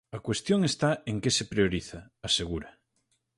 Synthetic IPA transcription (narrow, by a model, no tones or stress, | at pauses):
ɐkwest̪joŋest̪aeŋkesepɾeoɾiθɐːseɣuɾa